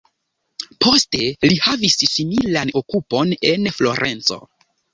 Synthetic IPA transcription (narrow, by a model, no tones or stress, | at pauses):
pʰo̞ste̞lihavissimilano̞kupo̞ne̞nflo̞̰ɾʔent͡so̞̰